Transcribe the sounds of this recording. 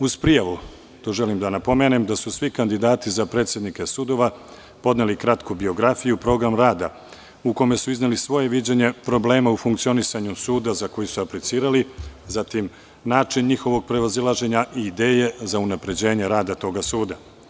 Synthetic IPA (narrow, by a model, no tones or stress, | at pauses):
uzpɾijaʋu | t̪o̞ʒe̞limd̪anapo̞me̞ːnemd̪asusʋikand̪id̪aːt̪izapɾe̞ːt̪sʲje̞d̪nike̞sud̪o̞ʋa | po̞d̪nelikɾat̪kubio̞ɡɾafijupɾo̞ɡɾamɾaːd̪a̰ | ukome̞suizne̞lisʋo̞je̞ʋid͡ʑeɲe̞pɾo̞ble̞ːmaufuŋk̚t̪sio̞nisaɲusuːd̪azako̞jisuaplit̪siːɾalizat̪im | naːt͡ʃinɲixo̞ʋo̞ɡ̚pɾe̞ʋazilˠaʒe̞ɲaʔiːd̪e̞ːje̞zaunapɾe̞d͡ʑe̞ːɲe̞ɾaːd̪at̪o̞ːɡasuːd̪a